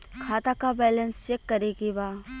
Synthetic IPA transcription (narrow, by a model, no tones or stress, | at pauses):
kʰaːt̪akabɛːlə̃nst͡ʃeːkːɐɾeɡibaː